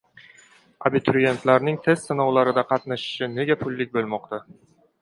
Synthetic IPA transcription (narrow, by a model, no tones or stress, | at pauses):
abɪt̪ʰʊɾije̞nt̪laɾnɪŋt̪ʰe̞st̪sɪnɒwlaɾɪd̪aqʰɑt̪naʃɪ̥ʃɪne̞ɡʲapʰʊlːɪk̚ʲbolˠmɒqt̪ʰa